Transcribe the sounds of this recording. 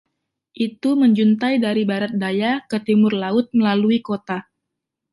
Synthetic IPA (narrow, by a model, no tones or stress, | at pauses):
ʔit̪uməɲd͡ʒunt̪ajdaɾibaɾat̪̚dajakət̪imʊrlaʊt̪̚məlaluikot̪a